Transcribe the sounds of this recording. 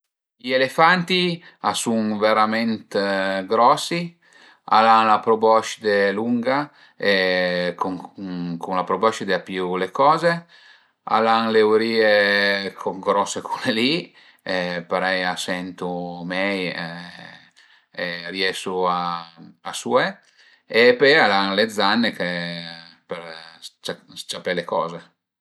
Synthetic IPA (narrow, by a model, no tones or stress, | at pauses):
ielefant̪iasuŋveɾamɛnt̪ɡɾɔsi | a̰laŋlapɾobɔʃd̪eluŋɡa | ekukuŋlapɾobɔʃd̪eapiulekɔːze | a̰laŋleuɾiːekʰoŋɡɾɔsːekʰuleli | ɛpaɾɛjasɛnt̪umɛjɛ | erjɛsuaasuɛ | epealaŋled̪zanːeke | peɾt͡ʃast͡ʃapɛlekɔːze